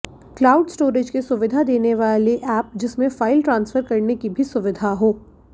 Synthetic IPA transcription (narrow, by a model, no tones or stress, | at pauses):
klaːʊɖsʈoːɾɪd͡ʒkesʊʋɪd̪ʱad̪eːneʋaːleʔɛːp̚d͡ʒɪsmẽfaːɪlʈɾãːnsfəɾkɐɾnekibʱisʊʋɪd̪ʱaɦoː